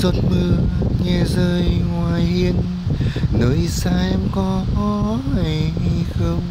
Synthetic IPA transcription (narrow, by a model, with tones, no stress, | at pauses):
zo˧˩t̚mɨ˧əɲɛ˧˩zəː˧jŋwaː˨˩jhi˧ən | ləː˨˦jsaː˧˥ʔɛ˧mkɔ˨˦kɔ˧˦ | a˨˩jŋi˧xə˧wŋ͡m